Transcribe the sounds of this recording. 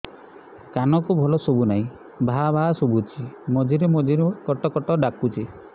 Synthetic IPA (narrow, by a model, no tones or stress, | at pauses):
kanɔkubʱɔlɔsobunaɦĩ | bʱaabʱaasobut͡ʃʰimɔd͡ʒiɾemɔd͡ʒiɾekɔʈɔkɔʈɔɖakut͡ʃʰi